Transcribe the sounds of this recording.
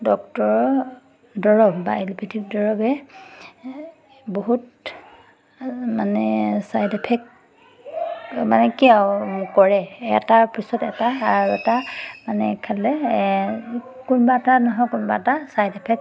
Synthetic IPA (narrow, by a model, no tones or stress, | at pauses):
dɔktɔɹɔ | dɔɹɔbba̰elipʰitʰik̚dɔɹɔbɛ | boɦut̚ | manɛsajdipʰɛk̚ | manɛkiawkɔɹɛɛ̰tapɹisɔtɛ̰taːɹɛtamanɛ̰kʰalɛ | kunbatanɔɦɔjkunbatasajdɛpʰɛk̚